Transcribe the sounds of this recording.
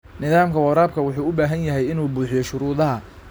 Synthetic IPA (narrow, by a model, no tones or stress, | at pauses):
nɪðaːmkʰɐwɐɾaːb̚kʰɐwʊħuːʊbaːɦɐnjɐɦɛjɪnuːbuːħɪjɔʃʊɾuːðɐɦɐ